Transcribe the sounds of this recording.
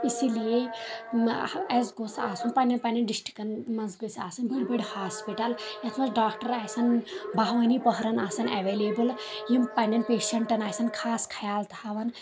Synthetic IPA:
isilije | ɛzɡosaːsunpanʲɐnpanɐnɖisʈi̥kɐnmɐnzɡɨsaːsɐnbiɽʲbɐɽʲhaːspiʈɐljɐt̪ʰmɐsɖaːkʈɐɾaːjsɐnbʱaɦʋɐnipəɦɾɐnaːsɐnɛ̰ʋeːleːbɨl | jimpanɐnpeːʃɐɳʈɐnaːjsɐnkʰaːskʰɐjaːlt̪haːʋɐn

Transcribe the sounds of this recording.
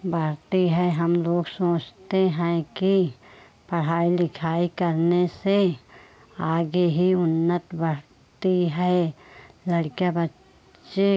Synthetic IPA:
bəɾt̪iɦɛɦɐmloːɡsoːt͡ʃt̪eɦɛ̃ki | pɐɽ̤aːilɪkʰaːikəɾnese | aːɡeɦiʊnːət̪bəɽ | t̪iɦɛ | lɐɽkjabət | ʃe

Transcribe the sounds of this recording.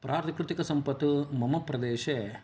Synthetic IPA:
pɾʔaːɾt̪kɾut̪ikɐsɐmpɐt̪ːumɐmɐpɾɐd̪eːʃeː

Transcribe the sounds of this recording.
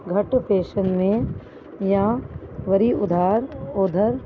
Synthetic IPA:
ɡʱɐʈpeːʃənmẽ | jãʋɐɾiʊd̪ʱaːɾoːd̪ʱəɾ

